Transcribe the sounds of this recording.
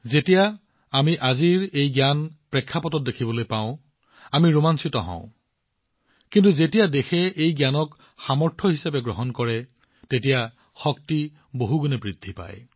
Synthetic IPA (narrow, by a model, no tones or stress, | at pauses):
zetija | amiʔaziɹejɡjanpɹɛkʰːapɔtɔt̚dekʰibɔlojpaʊ̃ | amiɹumansitɔɦɔ̰̃ʊ̃ | kintuzetijadexɛejɡjanɔk | xamɔɹtʰɔɦisapɛɡɹɔɦɔnkɔɹɛ | tetija | xɔk̚ti | boɦuɡunɛbɹidʱːipa̰j